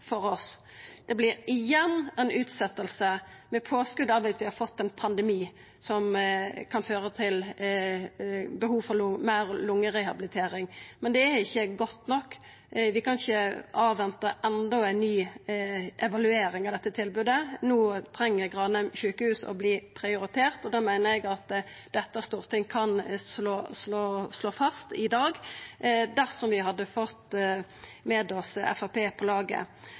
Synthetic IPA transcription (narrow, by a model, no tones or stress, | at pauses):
fɔɾɔs | d̪̥ɛblɪɾɪjɛnːɛɪnʉːt̪sɛt̪ːəlsə | mɛpʰoːskʉd̪ɑʋʋɛt̪ʋɪhɑɾfɔt̪ːɛnpʰɑnd̪ɛmiː | sɔmkʰɑnføːɾət̪ʰɪl | bəhuːʋfɔʁɾmæɪɾlʊŋːəɾɛhɑbɪlɪt̪ʰeːɾɪŋmɛnd̪ɛæɾɪçːəɡɔt̪ːnɔkː | ʋɪkɑnɪçəɑːʋɛnt̪əʔɛnd̪ɔæɪnnyː | ʔɛʋɑlʉeːɾɪŋɑʋd̪ɛt̪ːət̪ʰɪlbʉːd̪ənuːt̪ʰɾɛŋːəɾɡʁɑːnɛmʃʉːkəhʉːsɔ̰bliːpʰɾɪʊɾɪt̪ʰeːʁt̪ɔd̪ɑːmæɪnəɾɛɡɑt̪ | d̪ɛt̪ːəst̪uːʁt̪ʰɪŋkʰɑnsloːsloːsloːfɑst̪ɪd̪ɑːɡ | d̪æʁsɔmʋɪɦɑd̪ːəfɔt̪ː | mɛd̪ɔsɛ̰fɑpʰeːpʰɔlɑːɡə̰